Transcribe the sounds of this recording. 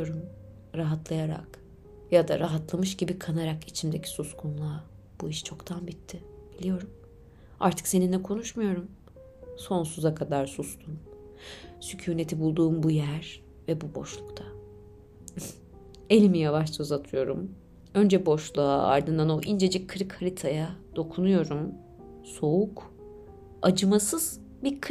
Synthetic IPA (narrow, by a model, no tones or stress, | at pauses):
oɾum | ɾaɦat̪lˠajaɾa̰k | jad̪a̰ɾaɦat̪lˠamɯʃɟibikʰanaɾakit͡ʃʰimd̪e̞cʰi̥suskʰunlˠa | b̥uiʃt͡ʃʰo̞kt̪ʰanbit̪ʰːɪb̥ilʲijo̞ɾum | a̰ɾt̪ʰɯ̥kse̞nind̪ɛkʰo̞nuʃmujo̞ɾum | so̞nsuzakʰad̪aɾsust̪ʰun | sycʰyːne̞t̪ʰibulˠd̪uːmbujæɾ̥ | vɛbubo̞̰ʃlˠukt̪ʰa | e̞lʲimijavaʃt͡ʃʰazat̪ʰɯjo̞ɾum | ø̞nd͡ʒɛbo̞ʃlˠua̰a̰ɾd̪ɯnd̪ano̞ʔind͡ʒe̞d͡ʒickʰɯɾɯkʰːaɾit̪ʰajad̪̥o̞kʰunujo̞ɾum | so̞uk | ad͡ʒɯmasɯz̥ | bikʰ